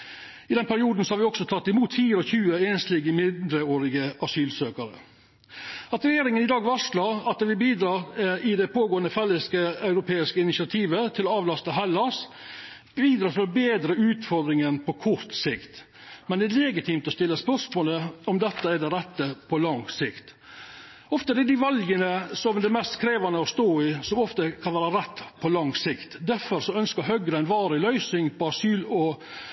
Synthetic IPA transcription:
ɪd̪ɛnpæɾɪuːd̪n̩sɔhɑɾʋɪɔksɔt̪ʰɑt̪ːɪmuːt̪fiːɾəɔçʉːəeːnst̪liːɡəmɪd̪ɾəoːɾɪɡəʔɑsyːlsøːkəɾə̰ | ɑt̪ɾɛjeːɾɪŋənɪd̪ɑːɡʋɑʂlɑɑt̪̚ɛʋɪlbiːd̪ɾɑːɪd̪ɛpʰoːɡoːənəfɛlːəskəɑʉɾʊpʰeːɪskəɪnɪsɪɑt̪ʰiːʋət̪ʰɪlɔɑːʋlɑst̪əɦɛlːɑs | iːd̪ɾɑːt̪ʰɪlɔbeːd̪ɾəʉːt̪fɔɾd̪ɾɪŋənpʰɔkʰʊɾt̪sɪkt̪ | mɛnd̪ɛælɛɡɪt̪ʰiːmt̪ɔst̪ɪlːəspœʂmoːləɔmd̪ɛt̪ːəɛɖɛɾɛt̪ːəpʰɔlɑŋsɪkt̪ | ɔft̪əd̪ɛd̪ɪʋɑlɡənəsɔmd̪ɛmɛst̪kʰɾeːʋɑnəɔst̪oːɪsɔmɔft̪əkʰɑnʋæːɾɑɾɛt̪ːpʰɔlɑŋsɪkt̪d̪æɾfɔɾsɔœnskəɦœɡɾəæɪnʋɑːɾɪlœʏsɪŋpʰɔɑsyːlɔ

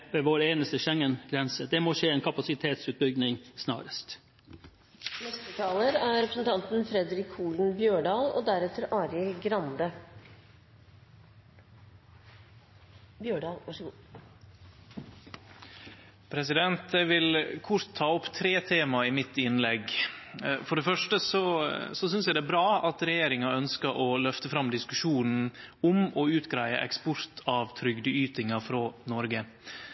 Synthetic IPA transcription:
ʋeːʋoːɾeːnəst̪əʃɛŋːənɡɾɛnsəd̪ɛmoːʂeːeːnkʰɑpɑsɪt̪ʰeːt̪sʉːt̪̚bʏɡnɪŋsnɑ̰ːɾəst̪ | nɛst̪ət̪ʰɑːləɾæɾɛpɾəsən̩t̪ʰɑnt̪n̩fɾɛd̪ɾɪkʰːuːln̩bjøːɖɑːlo̰ːd̪æɾɛt̪əɾʔɑːɾjəɡɾɑnd̪ə | bjøːɖɑːlʋɑʂɡu | pʰɾɛsɪd̪ɛnt̪ɛʋɪlkʰʊɾt̪ʰːɑːɔpt̪ʰɾeːt̪ʰeːmɑɪmɪt̪ːɪnlɛɡ | fɔɖɛfœʂʈəsɔsɔs̬ʏns̬jæd̪ɛæbɾɑːɑt̪ɾɛjeːɾɪŋɑœnskəʔɔlœft̪əfɾɑmd̪ɪskʉʂuːnn̩ʊmɔʉːt̪ɡɾæɪə̰ʔɛ̰kspɔɾt̪ʰɑːʋt̪ʰɾʏɡd̪əyːt̪ɪŋɑfɾoːnɔɾɡə

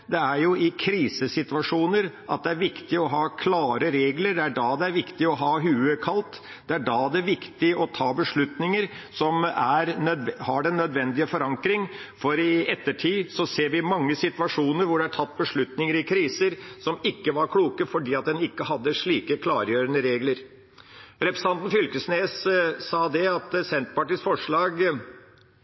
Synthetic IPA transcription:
d̪ɛæɾjʊɪkʰɾiːsəsɪt̪ʉɑʂuːnəɾʔɑ̰t̪̚d̪ɛæɾʋɪkt̪ɪɔɦɑːkʰlɑːɾəɾeːɡləɾɖ̪ɛæɖɑːd̪ɛæɾʋɪkt̪ɪɔɦɑːɦʉːəkʰɑlt̪ | d̪̥ɛæɖɑːd̪ɛʋɪkt̪ɪɔt̪ʰɑːbəʂɭʉt̪nɪŋəɾ | sɔmæɾnœd̪hɑɖɛnːœd̪ʋɛnd̪ɪəfɔɾɑŋkɾɪŋfɔɾɪɛt̪ːəʈʰiːsɔseːɾʋɪmɑŋːəsɪt̪ʋɑʂuːnəɾʋʊɖɛæʈʰɑt̪ːbəʂɭʉt̪nɪŋəɾɪkʰɾiːsəɾsɔmɪkːəʋɑɾkʰɽuːkəfɔɖiːɑt̪̚d̪ɛnɪkːəhɑd̪ːəʂɭiːkəkʰlɑːɾjøːɾənəɾeːɡləɾ | ɾɛpɾɛsnɑnt̪n̩fʏlkəsneːssɑːd̪ɛɑt̪sɛnt̪pɑʈiːsfɔʂɭɑːɡ

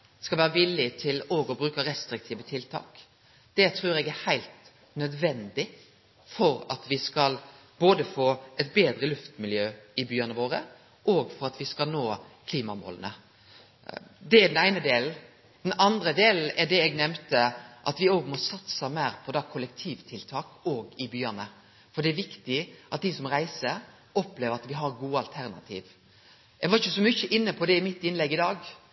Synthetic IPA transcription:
skɑlʋæːɾəʋɪlːɪt̪ʰɪloːɡɔbɾʉːkəɾɛst̪ɾɪk̚t̪ʰiːʋət̪ʰɪlt̪ʰɑ̰ːk | d̪̥ɛt̪ʰɾʉːɾɛɡæhæɪlt̪ | nœd̪ʋɛnd̪ɪ | fɔɾɑt̪ʋɪskɑl | boːd̪əfoːɛt̪beːd̪ɾəlʉft̪mɪljøːɪbyːənəʋoːɾə | ʔoːɡfɔɾɑt̪ʋɪskɑlnoː | kʰliːmɑmo̰ːlə̰nə̰ | d̪ɛɛɖ̪ɛnæɪnəd̪eːl̩ | d̪ɛnɑnd̪ɾəd̪eːln̩ɛɖɛɛɡnɛmt̪əʔɑ̰t̪ʋɪoːɡmɔsɑt̪səmæɪɾpʰɔd̪ɑːkʰɔlɛk̚t̪ʰiːʋt̪ʰɪlt̪ʰɑːkoːɡɪbyːɑnə | fɔɖɛɛʋɪkt̪ɪʔɑt̪̚d̪ɪsɔmɾæɪsəɾ | ɔpleːʋəɾɑt̪ʋɪɦɑɾɡuːɑlt̪ʰæɾnɑ̰t̪ʰḭːʋ | ɛɡʋɑɾɪçəsɔmʏçəʔɪnːəpʰɔd̪ɛɪmɪt̪ːɪnlɛɡːɪd̪ɑːɡ

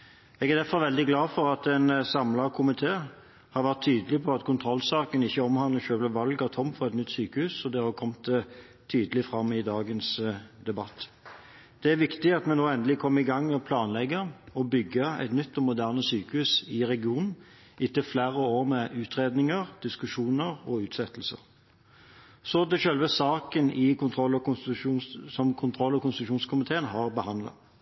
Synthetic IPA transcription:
ɛɡæʁd̪æfɔɾʋɛld̪ɪɡlɑːfɔɾɑt̪ɛnsɑmlɑkʰʊmɪt̪ʰeː | hɑɾʋæʁt̪ʰːyːd̪əlɪpʰɔɑt̪kʰʊnt̪ʰɾɔlːsɑːkənɪçːəɔmhɑnləçøːləʋɑlɡɑt̪ʰɔmːfɔʁɛt̪nʏt̪ːsyːkəhʉːsɔd̪ɛhɑkʰɔmt̪ | t̪ʰyːd̪əlɪfɾɑmːɪd̪ɑːɡənsd̪ɛbɑt̪ː | d̪̥ɛæʋɪkt̪ɪɑt̪mɛnnuːɛnd̪əlɪkʰɔmːəɪɡɑŋːɔpʰlɑːnlɛɡːəɾɔbʏɡːəæ̰ɪt̪nʏt̪ːɔmʊd̪æːʁnəsyːkəhʉsɪʁɛɡɪuːnn̩ | ɪt̪ːəflæːɾəoːʁmɛʔʉːt̪ʁeːd̪nɪŋəʁd̪̥ɪskʉʂuːnəʁɔʉːt̪sɛt̪ːlsə̰ʁ | sɔd̪ɛʃœlʋəsɑːkənɪkʰʊnt̪ʰʁɔlːɔkʊsuːnsɔmkʰʊnt̪ʰʁɔlːɔkʊnst̪ɪt̪ʉʃuːnskʰʊmɪt̪ʰeːənɦɑːʁbəhɑnd̪lɑ̰

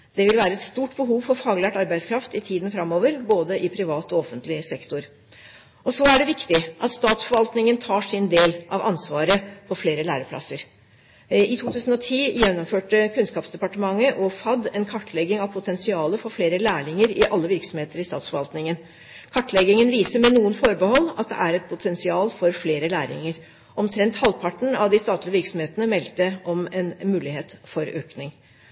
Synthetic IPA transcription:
d̪̥ɛʋɪlʋæːɾəɛt̪st̪uːʈbəɦuːʋfɔɾfɑːɡlæʈɑɾbæɪd̪skʰɾɑft̪ɪt̪ʰiːd̪n̩fɾɑmːoːʋəɾboːd̪əʔɪpʰɾɪʋɑːt̪ɔɔfənt̪lɪsɛkt̪ʊɾ | ɔsɔæɖɛʋɪkt̪ɪʔɑ̰t̪st̪ɑːt̪sfɔɾʋɑlt̪nɪŋənt̪ʰɑːʂɪnd̪eːlʔɑʋʔɑ̰nsʋɑːɾəpʰɔfleːɾəlæːɾəpʰlɑ̰sːəɾ | ɪt̪ʰuːt̪ʰʉːsən̩ɔt̪ʰiːjɛnːɔmføːʈəkʰʉnskɑːpsd̪ɛpɑʈəmɑŋːəʔɔfɑd̪ɛnkʰɑʈʰːlɛɡɪŋɑʋpʰʊt̪ʰɛnsɪɑːləfɔɾfleːɾəlæːɭɪŋəɾɪʔɑlːəʋɪɾksɔmheːt̪əɾɪst̪ɑ̰ːt̪sfɔɾʋɑlt̪nɪŋən | kʰɑʈːlɛɡɪŋənʋiːsəɾmɛnuːənfɔɾbəhɔlːɑt̪̚d̪ɛ̰ʔæɾɛt̪̚pʰʊt̪ʰɛnsɪɑːlfɔɾfleːɾəlæːɾɪ̰ŋəɾ | ʔɔmt̪ʰɾɛnt̪hɑlpʰɑʈɳ̩ɑʋd̪ɪst̪ɑːt̪lɪəʋɪɾksɔm̩heːt̪ənəmɛlt̪əʔɔmɛnmʉːlɪheːt̪fɔɾøːknɪŋ

